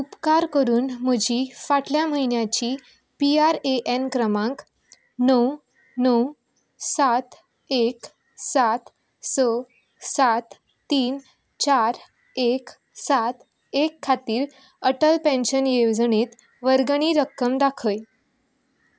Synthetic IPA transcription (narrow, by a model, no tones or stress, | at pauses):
upkaɾkəɾuːnməd͡ʑʱiːfaʈljam̤əɦinjat͡ɕiː | piaɾeʔenkɾəmãŋk | nəw | nəw | sat̪ | ek | sat̪ | sə | sat̪ | t̪iːn | t͡ɕaɾ | ek | sat̪ | ekʰːat̪iːɾ | əʈəlpẽnɕənjeʋd͡zɳet̪ | ʋəɾɡɳ̃iːɾəkːəmd̪akʰəj